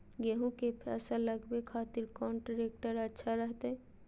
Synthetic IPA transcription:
ɡeɦũkepʰɛ̰saləɡbekʰat̪iɾkɔnʈɾek̚ʈəɾətːʃʰaɾəɦt̪ɛ

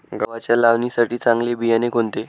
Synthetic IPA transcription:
ɡəʋat͡ɕjalaʋnisaʈiːt͡sãŋɡlebijanekɦoɳt̪e

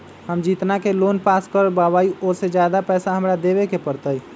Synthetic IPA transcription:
həmd͡ʒit̪nakelonpaskəɾbabaiosed͡ʒjad̪apɛsaɦəmɾad̪eβekepəɾt̪əj

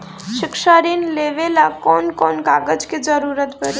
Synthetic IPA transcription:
ʃɪkʃaɾinleʋelakɔːnkɔːnɡaɡəd͡ʒkid͡ʒəɾuɾət̪bəɾ

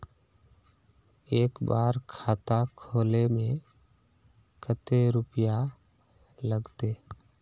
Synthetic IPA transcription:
eːkbaːɾkʰaːt̪akʰoːlemẽ | kʰət̪eɾʊpja | ləɡt̪eː

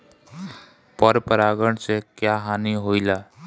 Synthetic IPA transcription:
pəɾpəɾaːɡəɳ̃sekjaɦaːniɦoilaː

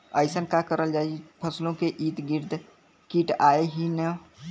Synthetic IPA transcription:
əɪsənkakəɾəld͡ʒaːipʰəslõkeʔiːt̪ɡɪɾd̪ | kiːʈaːeɦinə

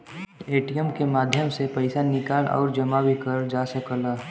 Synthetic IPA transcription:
eːʈijəmkemaːd̪ʱjəmsepəɪsanɪkaːlɔ̰ːɾd͡ʒəmabʱikəɾd͡ʒaːsəkəlaː

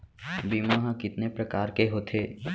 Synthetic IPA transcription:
biːmaɦãkɪt̪nepɾɐkaːɾkeɦoːt̪ʰeː

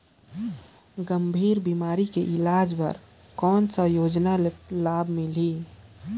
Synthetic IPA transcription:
ɡəmbʱiːɾbimaːɾikeʔɪlaːd͡ʒbə̰ɾ | kɔːnsəjoːd͡ʒnalaːbʱmɪli

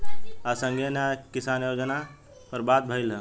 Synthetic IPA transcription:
asəŋɡʱenakisanjod͡ʒəna | pəɾbat̪̚bʱəjlə̃

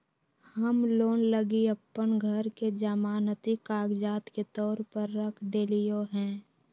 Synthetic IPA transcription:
həmloːnləɡiəpːənɡʱəɾked͡ʒəmaːnət̪ikaːɡd͡ʒaːt̪ket̪ɔːɾpəɾːəkʰd̪eːlijoɦɛ̃ː

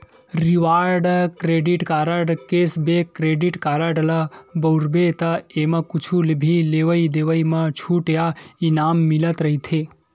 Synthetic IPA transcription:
ɾiʋaːɾɖkɾeɖiʈkaɾəɖkeːsbekɾeɖiʈkaːɾəɖlɐbɐwɾbet̪ɐemãkut͡ʃʰulbʱileʋəid̪eːʋəimat͡ʃʰuʈjainaːmːilət̪ɾəɦit̪ʰeː

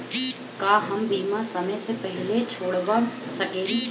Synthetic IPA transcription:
kaːɦɐmbiːmasɐməjsepɛɦɪlet͡ʃʰoːɽbasɐkeː

